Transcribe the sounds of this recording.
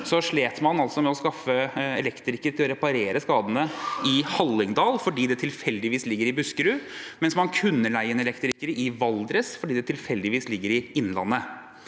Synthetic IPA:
sɔʂɭeːt̪mɑnɑlsɔmɛɔskɑfːəɛlɛkt̪ɾɪkːəɾt̪ɪlɔɾɛpɑɾeːɾəskɑːd̪ənəɪhɑlːɪŋd̪ɑːlfɔɖiːd̪ɛt̪ʰɪlfɛld̪ɪʋiːslɪɡːəɾɪbʉskəɾʉːmɛnsmɑnkʰʉnːəlæɪənɛlɛkt̪ɾɪkːəɾɪʋɑld̪ɾəsfɔɖiːd̪ɛt̪ʰɪlfɛld̪ɪʋiːslɪɡːəɾɪɪnːlɑ̰nːə

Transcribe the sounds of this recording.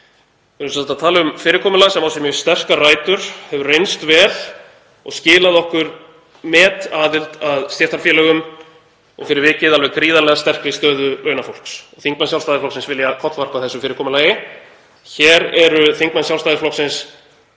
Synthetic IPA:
ɛɾʏsat̪ːat̪ʰaːlaʏmfɪːɾɪkʰɔːmʏlasɛmawsjɛmjʏst̪ɛr̥karaːjt̪ʏɾ̥hɛvʏrejnst̪vɛːl̥ | ɔ̰ɣscɪːlaðɔhkʏɾ | mɛːt̪aːðɪlt̪aðst̪jɛrt̪ʰaɾfjɛːlɛɣʏm | ɔ̰ɣfɪɾɪɾvɪːcɪðalvɛɣkɾiːðalɛɣast̪ɛr̥kvɪst̪œːðʏlʔœɥnafowl̥ksɔɣθiŋk̚mansjawlst̪aːðɪflɔwksɪnsvɪljakʰɔt̪lvar̥paθɛsʏfɪːɾɪkɔːmʏlaːjɪ | çɛːɾɛɾʏθiŋkmansjawlst̪aðɪflɔksɪns

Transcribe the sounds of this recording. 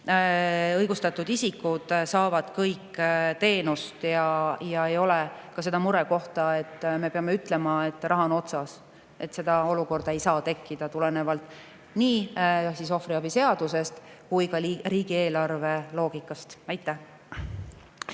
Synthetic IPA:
ɤjɡ̥ust̪ɑt̪ːˑud̪isikːud̪̥sɑːvɑd̪̥kɤjkːt̪e̞ːnust̪jɑjɑejo̞lekɑse̞d̪ɑmuɾeko̞ht̪ɑe̞t̪ːme̞pe̞ɑme̞yt̪ːˑle̞mɑe̞t̪ːˑrɑɦɑno̞t̪sɑs | e̞t̪se̞d̪̥ɑo̞luko̞rd̪̥ɑe̞jsɑːt̪e̞kːid̪̥ɑt̪ule̞ne̞vɑlt̪ˑ | niːsiso̞fɾiɑb̥ise̞ɑd̪̥use̞st̪kujkɑriːɡ̥ie̞ːlɑrve̞lo̞ːɡ̥ikːˑɑst̪æjt̪ːˑæ

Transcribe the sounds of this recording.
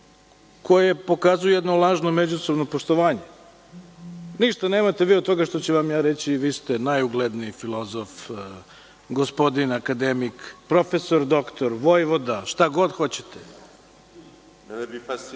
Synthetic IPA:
kʰo̞jepo̞kazujujɛd̪nolˠaːʒnomed͡ʑuso̞bnopoʂt̪oʋaːɲe | niʃt̪aneːmat̪eʋiːod̪̚t̪o̞ɡaʃt̪ot͡ɕeʋamjaːɾet͡ɕiʋiːst̪enajuɡled̪niːfilˠo̞zof | ɡospo̞d̪inakad̪emikpɾo̞feso̞ɾd̪o̞kt̪oɾʋo̞jʋo̞d̪aʃt̪aɡo̞d̪xo̞t͡ɕe̥t̪e

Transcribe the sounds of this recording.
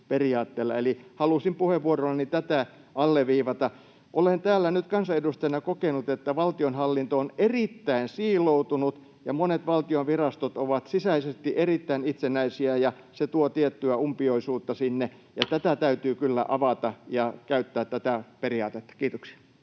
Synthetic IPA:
periɑːt̪ːeːlːɑ̰elihɑlusimpuheʋʋuorolːɑnit̪æt̪æ | ʔɑlːeʋiːʋɑt̪ɑ | ʔolent̪æːlːænyt̪kɑnsɑedust̪ɑj̆nɑkokenut̪et̪ːæʋɑlt̪ionhɑlːint̪oonerit̪ːæinsiːlout̪unut̪ | jɑmonet̪ʋɑlt̪ionʋirɑst̪ot̪oʋɑt̪sisæisest̪iʔerit̪ːæinit̪senæisiæjɑ | set̪uot̪iet̪ːyæumpioisuːt̪ːɑsinːe | jɑt̪æt̪æt̪æyt̪yːkylːæ̰ʔɑʋɑt̪ɑjɑkæyt̪ːæːt̪tːæt̪æperiɑːt̪et̪ːæ̥kiːt̪oksi̥ɑ̥

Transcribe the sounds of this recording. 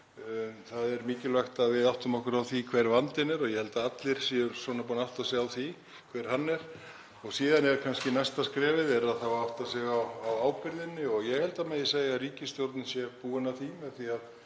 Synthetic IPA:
θaðɛɾmiːcɪlvaxt̪aðvɪðaht̪ʏmɔhkʏɾawθikʰv̥ɛɾvant̪ɪnɛɾɔɣjɛhɛlt̪aat̪lɪɾ̥siʏɾsɔnapuːnaht̪asɛːɣawθi | kʰvɛɾ̥hanːɛɾ̥ | ɔɣsiːðanɛɾkʰanscɪnɛjst̪askɾɛːvɪðɛɾaðθavaaht̪asɛɣaːwaːwpɪɾðɪnːɪɔɣjɛɣhɛlt̪amɛːjɪseːjɣaɾiːcɪst̪jowɾt̪nɪsjɛpuːɪnaθimɛθiað

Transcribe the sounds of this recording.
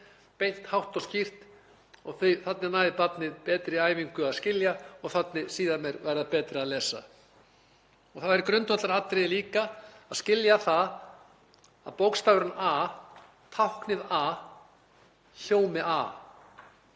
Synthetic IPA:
pejh̪t̪hawht̪ɔscir̥t̪ | ɔɣθœjθat̪nɪnaːjðɪpat̪nɪðpɛːt̪ɾɪaːjviŋkʏaðscɪljaɔɣθat̪nɪsiːðamɛɾvajɾɪðapɛːt̪ɾɪaðlɛːsa̰ | ɔɣθaɛɾɪkɾœnt̪vɔt̪aɾat̪ːɾejliːkaaðscɪljaθað | aðpowkst̪aːvɾʏnaː | t̪ʰawhknɪðaː | ɬjoːwmɪʔaː

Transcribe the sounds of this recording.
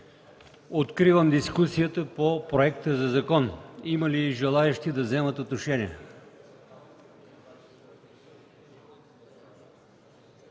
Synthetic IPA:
ot̪kɾivəmd̪iskusijət̪əpopɾoɛk̚t̪əzɐzɐkɔniməliʒɛlˠaɛʃt̪id̪ɐvzɛmət̪ot̪noʃɛniɛ

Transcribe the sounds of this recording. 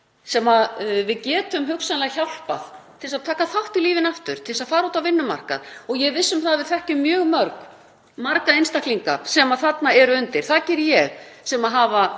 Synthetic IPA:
sɛmaðvɪðcɛːt̪ʏmɦʏksanlɛɣaçawl̥paðt̪ʰɪlsaðt̪ʰaːkaθawht̪ɪliːvɪnaft̪ʏɾ̥t̪ʰɪlsaðfaːɾuːt̪avɪnːʏma̰r̥ka̰ðɔɣjɛɣvɪsːʏmθaðvɪðθɛhcʏmːjœːɣmœɾk | maɾkaðenst̪ahkliŋkasɛmaðθat̪naɛɾʏʏnt̪ɪɾ̥θacɛɾjɛɣsɛmaðɦaːva

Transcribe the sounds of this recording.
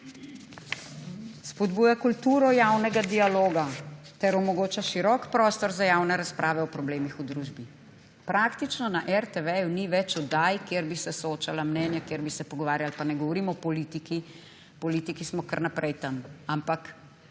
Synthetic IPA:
spɔd̪buːjakult̪uːɾɔjawnɛɡad̪ialoːɡat̪ɛɾɔmɔɡoːt͡ʃaʃiɾɔkpɾɔːst̪ɔɾzajaːwnɛɾaspɾʔaːʋɛɔpɾɔbleːmixud̪ɾuːʒbi | pɾakt̪it͡ʃnɔnaʔɛɾt̪ɛʋɛjuniʋɛt͡ʃɔd̪ajkeɾbisɛsɔoːt͡ʃalamnɛːnjakjeːɾbisɛpɔɡɔʋaːɾjalpanɛɡɔʋɔɾimɔpɔlit̪iki | pɔlit̪ikismɔkə̰ɾnapɾʔɛjt̪amampak

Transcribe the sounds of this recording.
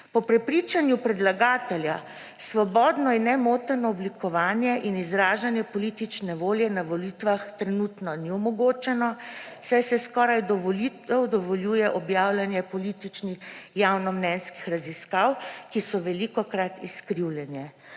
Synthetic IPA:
pɔpɾɛpɾit͡ʃanjupɾɛd̪laɡaːt̪ɛlja | sʋɔbɔːd̪nɔinːɛmot̪əɾnɔɔblikɔʋaːnjɛʔinizɾaːʒanjɛpɔlit̪it͡ʃnɛʋoːljɛnaʋɔlit̪ʋaxt̪ɾɛnut̪nɔniɔmɔɡoːt͡ʃɛnɔsajsɛskɔɾajd̪ɔʋɔlit̪ɛwd̪ɔʋɔljuːjɛʔɔbjaːwlanjɛpɔlit̪it͡ʃnixjawnɔmnɛnski̥xɾaziskawkisɔʋɛlikɔkɾat̪iskɾiwlʲjɛnjɛ

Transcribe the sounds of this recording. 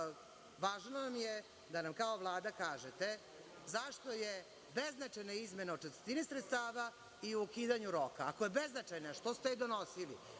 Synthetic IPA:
ʋaːʒnoʋamje | d̪anamkaoʋlˠaːd̪akaːʒet̪e | zaʃt̪oje | beznat͡ʃajnaizme̞naot͡ʃet̪ɾet̪inisɾet̪st̪aːʋa | iuokiːd̪aɲuɾokaːkojebeznat͡ʃajnaʂt̪ost̪ed̪onosilḭ

